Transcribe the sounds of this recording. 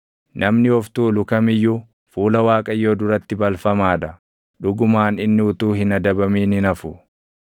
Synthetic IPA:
nʔɐmnɪɔft̪uːlʊkɐmɪjːu | fuːlɐwaːkʼɐjːoːd̪ʊɾɐt̪ːɪbɐlfɐmaːᶑ̪ɐ | ᶑʊɡʊmaːnɪnːɪʊt̪uːhɪnɐd̪ɐbɐmiːnɪnɐfʊ

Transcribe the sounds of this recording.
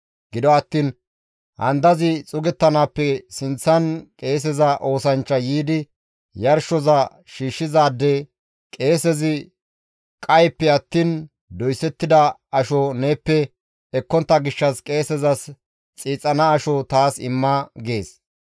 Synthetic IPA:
ɡɪd̪ɔɐt̪ːiːn | hɐ̰nd̪ɐzɪt͡sʼʊɡɛt̪ːɐnaːpːɛsɪnt͡sːɐnkʼe̞ːs̬ɛzɐʔo̞ːsɐnt͡ʃːɐjiːd̪ɪ | jɐɾʃɔzɐ | ʃiːʃːɪzaːd̪ːe | kʼe̞ːsɛzɪ | kʼɐjpːɛɐt̪ːiːn | d̪ɔjsɛt̪ːɪd̪ɐɐʃɔne̞ːpːɛ | ɛkːɔnt̪ːɐɡɪʃːɐskʼe̞ːsɛzɐs | t͡sʼiːt͡sʼːɐnɐːʃɔt̪aːsɪ̰mːɐɡe̞ːs

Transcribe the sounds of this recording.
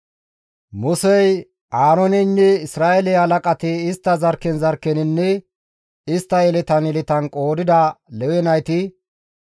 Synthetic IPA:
mʊsɛj | ʔaːɾɔnɪnːɛɪsɾaːʔɛlɛhɐlɐkʼɐt̪ɪɪst̪ːɐzɐɾkːɛnzɐɾkːɛnɪnːɛ | ɪst̪ːɐɛlɪt̪ɐnɛlɪt̪ɐnkʼo̞ːd̪ɪd̪ɐlɛwɛnɐjt̪ɪ

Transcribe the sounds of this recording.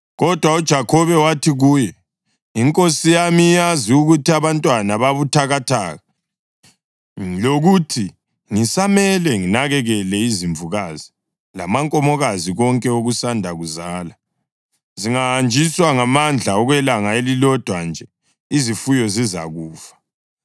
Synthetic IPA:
ɣɔd̥ʱwaud̥ʒ̥ʱakʰɔβɛwatʰiɣuːjɛ | iŋkʼosijamiːjaziuɣutʰiaβantʼwanaβaβutʰaɣatʰa̰ːɣa | loɣutʰi | ŋisamɛlɛŋinaɣɛɣɛlɛiziɱvuɣazi | la̰maŋkʼɔmɔɣaziɣɔŋkʼɛoɣusandʱaɣuzaːla | ziŋaand͡ʒʱiswaŋamand͡ɮʱaɔɣwɛlaŋaelilɔd̥ʱwand͡ʒʱɛ | izifujɔziza̰ɣuːfḁ

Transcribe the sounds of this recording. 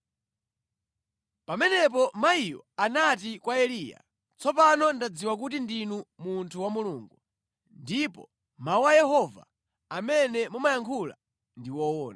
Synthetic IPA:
pamɛnɛp̬ɔmaijɔ̰anat̬ikwaɛliːja̰ | t͡sɔpanɔndad͡ziwak̬utindinumuntʰuwamuluːŋɡu | ndipɔ̰ | mauwajɛhɔva̰ | amɛnɛmumajaŋkʰula̰ | ndiwɔwɔːna

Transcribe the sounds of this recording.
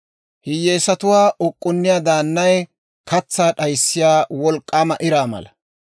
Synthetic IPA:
hɪjːeːsɐt̪ʊwaːʔʊkʼːʊnːɪjaːd̪aːnːɐj | kɐt͡sːaːɗɐjsːɪjaːwɔlkʼːamɐʔɪɾaːmɐ̰lɐ

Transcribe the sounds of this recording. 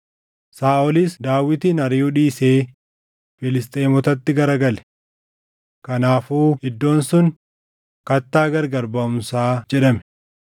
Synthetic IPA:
saːʔɔlɪsd̪aːwːɪt̪iːnɐɾɪjuᶑiːseː | fɪlɪst̪ʼeːmɔt̪ɐt̪ːɪɡɐɾɐɡɐlɛ̥ | kɐnaːfuːhɪd̪ːo̞ːnsʊn | kɐt̪ːaːɡɐɾɡɐɾbɐʊmsaːd͡ʒɛᶑɐmɛ

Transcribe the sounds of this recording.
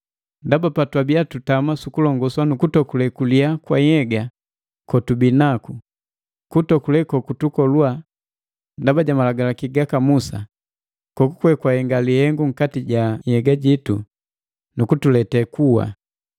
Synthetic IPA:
ndabapatwabiatutamasukulɔŋɡɔswanukutɔkulɛkuliakwajɛɡa | kɔtubinaku | kutɔkulɛkɔkutukɔlua | ndabaɟamalaɡalakiɡakamusa̰ | kɔkukwɛkwahɛŋɡalihɛŋɡuŋ̩katiɟahɛɡaɟitu | nukutulɛtɛkuwa̰

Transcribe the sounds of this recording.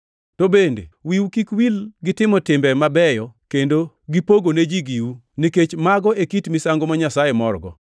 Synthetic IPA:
tobendḛwiwukikwilɡɪtɪmɔtɪmbɛmabɛjɔkendo | ɡipoɡoned͡ʒiɡiwu | niket͡ʃmaɡɔekitmisaŋɡomaɲasajemɔrɡɔ̰

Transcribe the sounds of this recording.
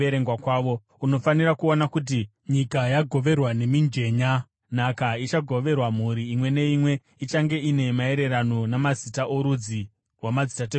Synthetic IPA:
eɾeŋɡwakwaːʋo̞ | uno̞faniɾakuonakut̬i | ɲikajaɡʱo̞ʋe̞rwane̞mind͡ʒe̞ːɲa | nakait͡ʃaɡʱo̞ʋe̞rwamuɾiːmwe̞ne̞imwe̞ | it͡ʃaŋɡe̞ine̞mae̞ɾe̞ɾanonamazitaʔoɾud͡zi | wamazitate

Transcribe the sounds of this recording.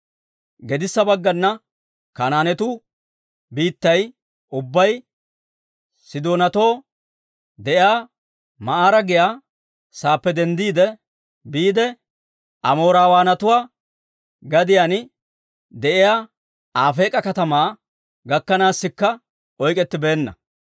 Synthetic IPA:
ɡɛd̪ɪsːɐbɐɡːɐnːɐ | kanaːnɛt̪ʊ | biːt̪ːɐj | ʔʊbːɐj | sɪd̪oːnɐt̪o̞ː | d̪ɛʔɪjaː | mɐʔaːɾɐɡɪjaː | saːpːɛd̪ɛnd̪iːd̪ɛ | biːd̪ɛ | ʔɐ̰mo̞ːɾaːwaːnɐt̪ʊwaː | ɡɐd̪ɪjan | d̪ɛʔɪjaː | aːfe̞ːkʼɐkɐt̪ɐmaː | ɡɐkːɐnaːsːɪkːɐ | ʔɔjkʼɛt̪ːɪbeːnːɐ̰

